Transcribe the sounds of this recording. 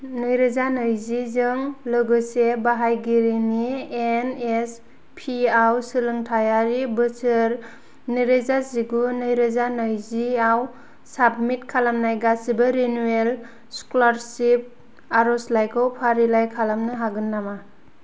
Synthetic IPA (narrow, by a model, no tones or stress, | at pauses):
nɯjɾɯzanɯjzizɯŋlɯɡɯsebaɦajɡiɾinienes | pʰiawsɯlɯŋtʰajaɾibɯsɯɾ | niɾezasiɡunɯjɾɯzanɯjziaw | sabmit̚kʰalamnajɡasibɯɾinuel | sklaɾsip̚ | aɾɔslajkʰɯwpʰaɾilajkʰalamnɯɦaɡɯnːama